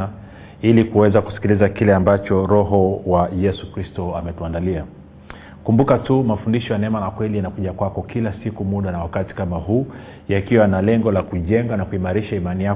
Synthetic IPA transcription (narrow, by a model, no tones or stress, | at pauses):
a | ilikuwɛzaku̥si̥kilizakilɛambat͡ʃɔɾɔɦɔwajɛsukɾistɔamɛtuandalia | kumbukatumafundiʃɔjanɛmalakwɛlijanakuʄakwakɔkilasikumuɗanawakati̥kamaɦuː | jakiwanalɛŋɡɔlakuʄɛŋɡanakuimaɾiʃaimanija